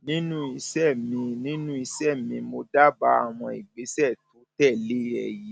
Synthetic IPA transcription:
nĩ˦nũ˦i˧sɛ˦˨mĩ˧nĩ˦nũ˦i˧sɛ˦˨mĩ˧mo˧da˦˨ba˧a˨w̃ɔ̃˧i˨ɡ͡be˨˦sɛ˦˨tu˨˦tɛ˦˨le˦ɛ˧ji˨˦

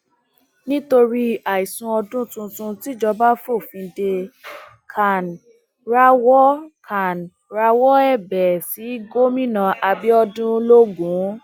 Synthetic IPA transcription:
nĩ˦to˧ɾi˧a˨i˨sũ˧ɔ˧dũ˦tũ˧tũ˧ti˦d͡ʒɔ˧ba˦fo˦˨fĩ˧de˧ | kʰa˨n˨ | ɾa˦˧wɔ˦kʰa˨n | ɾa˧wɔ˦ɛ˦˨bɛ˨si˨˦ɡo˦mĩ˦nã˧ʔa˧bi˦ɔ˧dũ˦lo˦ɡũ˨˦

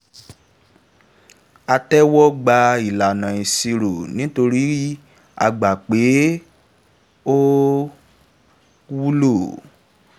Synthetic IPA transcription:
a˧tɛ˦wɔ˦ɡ͡ba˧i˨la˨nã˨ĩ˨si˧ɾo˨nĩ˦to˧ɾi˦ | a̰˧ɡ͡ba˨k͡pe˨˦ | o˦ | wu˦lo˦˨

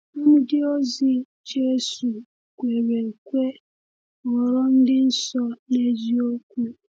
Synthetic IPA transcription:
m̩˦m̩˦dɪ˦o˦zi˦ | d͡ʒe˦su˨ | kʷe˨ɾe˨kʷe˦ | ɔ˨ɾɔ˦n̩˦dɪ˦n̩˦sɔ˦ne˦d͡ʒi˦o˦kʷu˦

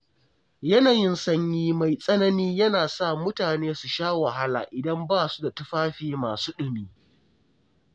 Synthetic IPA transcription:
jɐ˦naː˨jɪ˦nsɐ˦ɲjiː˦ma˨jsʼɐ˦nɐ˦niː˦jɐ˦naː˨sa˦˨mʊ˦taː˨neː˦su˨ʃaː˦wa˨ɦa˦la̰ː˨ʔɪ˨dɐ˦mbaː˦˨su˦da˨tʊ˦ɸaː˦ɸiː˦maː˨suː˦ɗʊ˨miː˦

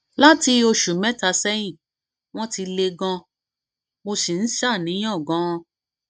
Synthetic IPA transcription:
la˦ti˧o˧ʃu˨mɛ̃˦ta˧sɛ˦j̃ĩ˦˨ | w̃ɔ̃˦ti˧le˧ɡã˧ | mo˧si˨n̩˦ʃa˦˨nĩ˨˦ɔ̃˦˨ɡã˨˦˧

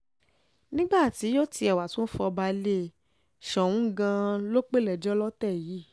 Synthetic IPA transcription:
nĩ˦ɡ͡ba˦˨ti˨˦jo˦ti˧ɛ˨wa˨tũ˨˦n̩˦fɔ˧ba˧˦le˦ | ʃɔ˨wũ˦ɡã˧lo˦k͡pe˦˨lɛ˨d͡ʒɔ˦lɔ˦tɛ˦˨ji˨˦

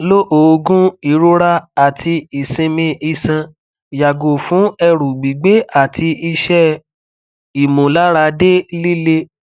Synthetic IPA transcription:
lo˦ʔoː˨˧ɡũ˦i˨ɾo˦ɾa˦a˨tʰi˧i˨sĩ˧mĩ˧i˧sã˧ | ja˨ɡo˨fũ˨˦ɛ˧ɾu˨ɡ͡bi˨ɡ͡be˨˦a˦˨tʰi˧i˧ʃɛ˦ | i˨mõ˨la˨˦ɾa˧de˦li˦le˦

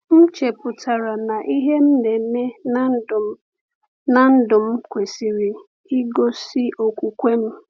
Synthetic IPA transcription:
m̩˦t͡ʃe˨pʊ˨tʰa˨ɾa˨na˨ʔi˦ɦe˦m̩˦ne˨˦me˦n˦d | na˨n̩˦dʊ˨m̩˦kʷe˨si˨ɾi˨ | i˦ɡo˦si˦ʔo˨kʷu˨kʷe˦m̩˦

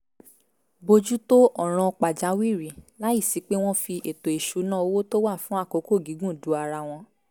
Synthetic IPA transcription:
bo˧d͡ʒu˦to˦ʔɔ˦˨ɾ̃ɔ̃˧k͡pa˨d͡ʒa˨˦wi˦˨ɾi˨la˦i˦˨si˨˦k͡pe˦w̃ɔ̃˦fi˧ʔe˨to˨e˨ʃu˨˦nã˦o˧˦wo˦to˦wa˦˨fũ˨˦a˦˨ko˨˦ko˦˨ɡi˨˦ɡũ˦˨du˨˦a˧ɾa˧w̃ɔ̃˧

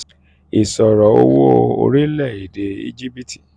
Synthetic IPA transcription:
i˨sɔ˨ɾɔ˨˦o˦wo˦o̰˧ɾi˦lɛ˦˨i˨de˨˦ḭ˦d͡ʒi˦bi˦ti̥˨

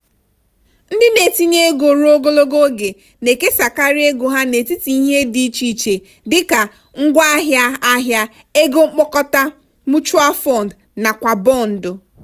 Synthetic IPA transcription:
n̩˦dɪ˦ne˨ti˦ɲe˦e˦ɡo˨ɾo˦ɡo˦lo˦ɡo˦ɡe˨ | ne˨ke˦sa˨ka˦ɾi˦e˦ɡo˨ɦa˦ne˨ti˦ti˨i˦ɦe˦di˨t͡ʃi˨t͡ʃe˨ | dɪ˦ka˨ | ŋ̩˦ɡʷa˦a˦ɦja˦a˦ɦja˦ | e˦ɡo˦ŋ͡m̩˦k͡pɔ˦kɔ˦ta˦ | mʊ˦t͡ʃu˦a˦fɔ˦˨n˨d | na˨kʷa˨bɔ˦˨n̩˨dʊ˨

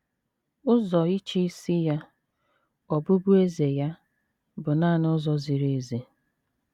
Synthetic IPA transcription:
ʊ˦zɔ˨i˦t͡ʃi˦i˦si˦ja˦ | ɔ˨bʊ˦bʊ˦e˦ze˨ja˦ | bʊ˨naː˦˨nʊ˦zɔ˦zi˨ɾe˨ze˨

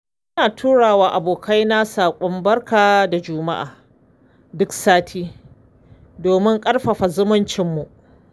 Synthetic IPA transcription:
ʔɪ˦naː˨tʰuː˦ɽaː˨waː˨ʔa˨boː˨kʰa˦jna˦saː˨kʷʼɔ˦mbɐ˦ɽkaː˨da˨d͡ʒʊ˦ma̰˦ʔa̰ː˨ | dʊ˦ksaː˦tʰiː˦ | doː˨mɪ˦ŋkʼɐ˦ɽɸɐ˨ɸa˨zʊ˦mʊ˦nt͡ʃɪ˦mːu˨ʔ

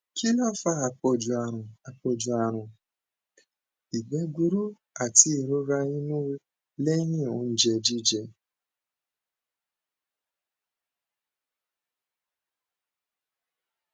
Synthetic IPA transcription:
kʰi˦lɔ˦fa˧˦a˨k͡pɔ˧d͡ʒu˨a˨ɾʊ̃˨a˨k͡pɔ˧d͡ʒu˨a˨ɾ̃ʊ̃˨ | i˨ɡ͡bɛ˧ɡu˦ɾu˦ | a˨ti˦i˨ɾo˦ɾa˧i˦nũ˦ | lɛ˦jĩ˦˨o˨˦n̩˦d͡ʒɛ˧d͡ʒi˦d͡ʒɛ˧

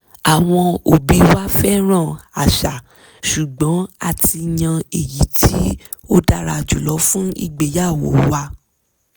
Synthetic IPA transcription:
a˨w̃ɔ̃˧o˨bi˧wa˦fɛ˦ɾ̃ã˦˨a˨ʃa˨ | ʃu˨ɡ͡bɔ̃˨˦a˦˨tʰi˧ɲã˧e˨ji˨˦tʰi˦o˦da˦˨ɾa˧˨d͡ʒu˨lɔ˨˦fũ˦ḭ˦˨ɡ͡be˧˨ja˦˨w̃ɔ̰̃˨wa˧

